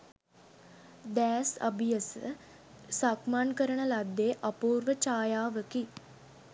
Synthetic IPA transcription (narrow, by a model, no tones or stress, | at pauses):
d̪æːsa̰bijəsə̰ | sakmankəɾəɳəlad̪ːeːʔɐpuːɾʋət͡ʃaːjaːʋəki